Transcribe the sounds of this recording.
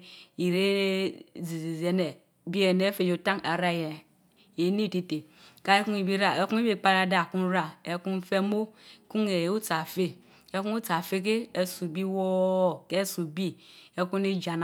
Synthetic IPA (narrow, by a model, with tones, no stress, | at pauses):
i˨ɾe˦ | zi˨zi˨ze˨˦ne˨ | bi˦e˨ne˦fe˨d͡ʒo˨ta˦ŋa˨ɾa˦˨je˨ | e˨˦ni˦˨te˦te˨ka˦e˦ku˦ŋi˨bi˦ɾa˨e˦ku˦i˦bi˦˨k͡pa˦ɾa˨da˦˨ku˦n˦ɾa˨e˨ku˦n˦fe˦mo˦ku˦ŋe˨˦u˦t͡sa˨fe˦ | e˦ku˦u˦t͡sa˨fe˦k̬e˦e˦su˨bi˦wo˦˨ke˦su˨bi˦e˦ku˦ne˦d͡ʒa˨n˨